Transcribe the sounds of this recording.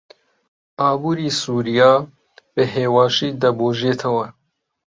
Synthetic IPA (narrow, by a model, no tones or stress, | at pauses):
ɑːbuːɾiːsuːɾijɑː | bɨɦeːwɑːʃiːd̪ɐboːʒet̪ʰɐwɐ